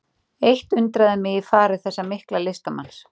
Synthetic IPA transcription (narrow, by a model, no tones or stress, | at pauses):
ejht̪ʏnt̪ɾaðɪmɪɣifaːɾʏθɛsːamɪhklalɪst̪ama̰ns